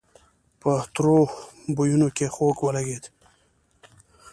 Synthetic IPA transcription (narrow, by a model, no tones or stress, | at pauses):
pət̪ɾobojunokexokwəlaɡed̪